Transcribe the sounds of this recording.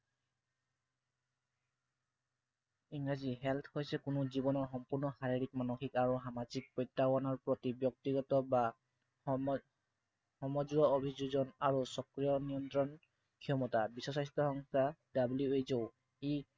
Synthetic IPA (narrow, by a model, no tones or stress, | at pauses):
iŋɡɹaziɦɛlt̪ʰhojsɛkʊnuzibɔnɔɹxɔmpuɹnɔxaɹiɹik̚manoxikaɹuɦamazik̚pɔjtːawanɔɹpɹɔtibjɔk̚tiɡɔtɔba | hɔmɔd͡ʒɡɔobʱid͡ʒuzɔnaɹusɔkɹijɔnijɔntɹɔn | kʰijɔmɔtabisɔsajstɹɔhɔŋstadabljuejzow | i